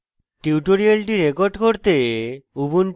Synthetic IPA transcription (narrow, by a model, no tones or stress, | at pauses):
ʈiuʈoɾialʈiɾekoɾɖkoɾt̪eubun